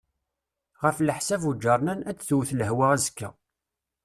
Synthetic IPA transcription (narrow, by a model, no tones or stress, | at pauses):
ʁəfləħsævud͡ʒəɾˤnænæt͡sːθuwθləɦwaʁæzəkːæ